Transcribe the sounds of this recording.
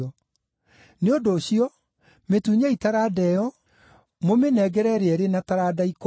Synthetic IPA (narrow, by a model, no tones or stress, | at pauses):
ɔ | neodoːɕiɔ | metuɲaitaɾadɛjɔ | momenɛɡɛɾɛɾeɛɾenataɾadaik